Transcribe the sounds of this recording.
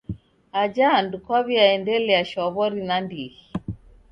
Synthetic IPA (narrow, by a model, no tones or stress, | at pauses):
ad͡ʒaːndukwaβiaɛndɛlɛaʃɔβɔɾinandihi